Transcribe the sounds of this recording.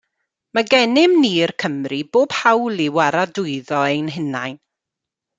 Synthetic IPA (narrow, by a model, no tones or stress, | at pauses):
maɡɛnɪmniːrkʰəmriboːb̥hawlˠiwaɾadʊɨðɔejnɦɪnajn